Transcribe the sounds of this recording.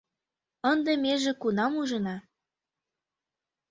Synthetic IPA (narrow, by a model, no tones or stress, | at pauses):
ənd̪emeʒĕkunɑmuʒɤ̆nɑ